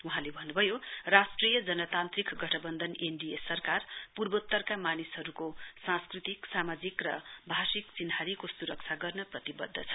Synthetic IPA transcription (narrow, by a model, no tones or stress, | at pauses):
uɦãlebʱʌnːubʱʌjorasʈrijʌd͡zʌnʌt̪ant̪rikɡʌʈʰʌbʌnd̪ʌnenɖiesʌrkarpurbʌt̪ːʌrkamanisɦʌɾukosãskrit̪iksamad͡zikrʌbʱasikt͡sinɦaɾikosuɾʌk̚t͡sʰaɡʌrnʌprʌt̪ibʌ̰d̪ʱːʌt͡sʰʌ̥